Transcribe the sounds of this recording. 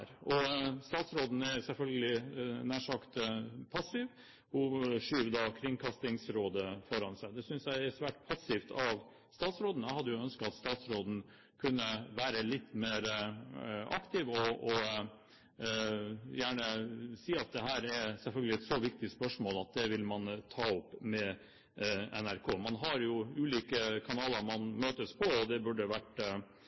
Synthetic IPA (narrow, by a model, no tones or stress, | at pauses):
ɾɔst̪ɑːt̪sɾoːd̪n̩ɛsɛlfœlɡəlɪnæːʂɑkt̪pʰɑsɪʋ | hʊʂyːʋd̪ɑkʰɾɪŋkʰɑst̪ɪŋsɾoːd̪əfɔɾɑnsæɪd̪ɛsʏnsjæɪɛsʋæːʈpʰɑsːɪft̪ʰɑʋ | st̪ɑːt̪sɾoːd̪ənəhɑd̪ːəjʊœnskəɑt̪st̪ɑːt̪sɾoːd̪n̩ | kʰʉnːəʋæːɾəlɪt̪ːmeːɾ | ʔɑkt̪ɪʋɔɔ | jæːɳəsiːɑt̪̚d̪ɛɦæːɾɛɾsɛlfœlɡəlɪɛt̪sɔʋɪkt̪ɪspœʂmoːlɑt̪̚d̪ɛʋɪlmɑnt̪ʰɑːʊpːmɛ | ɛnæɾkʰoːmɑnɦɑɾjʊʉːliːkəkʰɑnɑːləɾmɑnmøːt̪əspʰɔɔd̪ɛbʉɖəʋæʈ